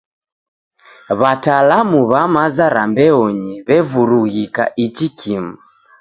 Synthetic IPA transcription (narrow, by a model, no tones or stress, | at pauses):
βatalamuβamazaɾambɛɔɲɛβɛvuɾuɣika̰ʔit͡ʃikʰima